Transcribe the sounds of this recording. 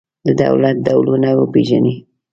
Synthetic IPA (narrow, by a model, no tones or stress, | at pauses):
d̪əd̪a̰wlat̪̚d̪awlunawəpeʒani